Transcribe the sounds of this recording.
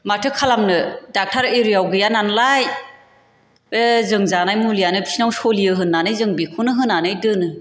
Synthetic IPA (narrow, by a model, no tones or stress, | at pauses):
matʰɯkʰalamnɯdak̚tʰaɾeɾijawɡɯjananlaj | ezɯŋzanajmulijanɯbisinawsolijɯɦɯnːanɯjzɯŋbikʰɯnɯɦɯnːanɯjdɯnɯ